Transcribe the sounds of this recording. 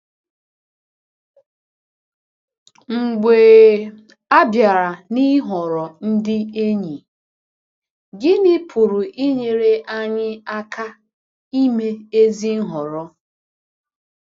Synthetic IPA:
ŋ͡m̩˨ɡ͡beː˨ | a˦bja˨ɾa˨ni˦ɦɔ˨ɾɔ˨n̩˦dɪ˦e˦ɲi˨ | ɡɪ˦nɪ˦pʰu˨ɾu˨ʔi˦ɲe˨ɾe˦ʔa˦ɲɪ˦a˦kʰa˦ | i˦me˦e˦zi˦n̩˦ɦɔ˨ɾɔ˦

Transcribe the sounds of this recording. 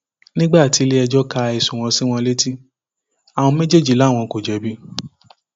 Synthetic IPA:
nĩ˦ɡ͡ba˦˨ti˨˧˦le˦ɛ˧d͡ʒɔ˦ka˧i˨sũ˨w̃ɔ̃˧sĩ˦w̃ɔ̃˧le˦ti˦ | a˨w̃ɔ̃˧me˦d͡ʒe˦˨d͡ʒi˨la˨˦˨w̃ɔ̃˧ko˨d͡ʒɛ˨bi˦

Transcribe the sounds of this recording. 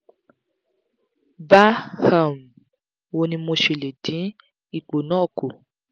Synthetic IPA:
ba˦ha˦˨m̩˨ | wo˧nĩ˧mo˧ʃe˨le˨dĩ˨˦ | i˦˨k͡po˨nɔ̃ː˦˨ko˨

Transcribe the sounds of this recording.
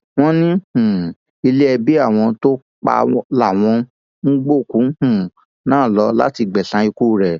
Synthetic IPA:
w̃ɔ̃˦nĩ˦hũ˨ | i˧le˦ɛ˧bi˦a˦˨w̃ɔ̃˧to˦ | k͡pa̰˧la˨w̃ɔ̃˧ | n̩˦ɡ͡bo˦˨kũ˨˦hũ˦˨ | nãː˦˨lɔ˧˦la̰˦ti˧ɡ͡bɛ˨sã˨˧˦i˧ku˦˨ɾɛ˨

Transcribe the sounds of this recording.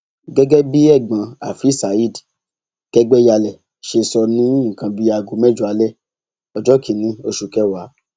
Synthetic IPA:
ɡɛ˦ɡɛ˦bi˦ɛ˦˨ɡ͡bã˨˧a˨fi˨˦˨sa˨i˦˨d | kɛ˦ɡ͡bɛ˦ja˧lɛ˨ | ʃe˧sɔ˧nĩ˦ŋ̩˨kã˧bi˦˧ja˧˨ɡu˧˦mɛ˦˨d͡ʒu˧˦a˨˧lɛ˦˨ | ɔ˨d͡ʒɔ˨˦ki˨˦nĩ˧˦o˧ʃu˧kɛ˦wa˨˦

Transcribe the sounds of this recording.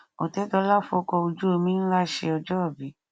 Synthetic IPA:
o˨tɛ˨˦tɔ˧˦la˦˨fo˧˦kɔ˧o˧d͡ʒu˦o˧mĩ˦n̩˦la˦ʃe˧ɔ˧d͡ʒɔ˦ɔ˦˨bi˨˦

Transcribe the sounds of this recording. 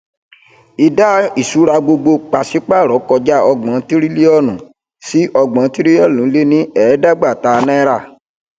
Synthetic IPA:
i˧da˦i˨su˨˦ɾa˧ɡ͡bo˧ɡ͡bo˧k͡pa˨si˨˦k͡pa˦˨ɾɔ˨˦kɔ˧d͡ʒa˦ɔ˧ɡ͡bɔ̃˨˦ti˦ɾi˦le˦ɔ˦˨nũ˨ | si˦ʔɔ˧ɡ͡bɔ̃˨˦ti˦ɾi˦ɔ˦˨lũ˨˦le˦nĩ˦ɛ˨˦da˦ɡ͡ba˦˨ta˧nɛ̃˦ɾa˦˨

